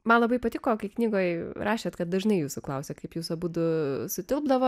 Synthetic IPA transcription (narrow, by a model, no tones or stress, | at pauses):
mɐnlˠɐbɐɪpɐt̪ʲɪkoːkɐɪknʲiːɡoːjɾɑːʃʲeːt̪kɐt̪̚d̪ɐʒnɐɪjuːsʊklˠɐʊsʲeːkɐɪpjuːsɐbuːd̪ʊsʊt̪ʲɪlˠbd̪ɐʋoː